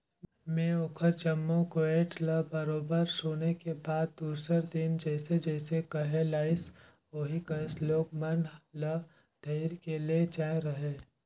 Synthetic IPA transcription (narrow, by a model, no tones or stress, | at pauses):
mẽːoːkʰəɾt͡ʃəmːõkoeːʈləbəɾoːbəɾsoːnekebaːd̪̚d̪uːɾsəɾd̪ɪnd͡ʒɛːsed͡ʒɛːsekɐɦelaːɪs | oːɦikəsloːɡmɐnlə | ɖ̥ʱeɪɾkeliet͡ʃaːeɾɐɦeː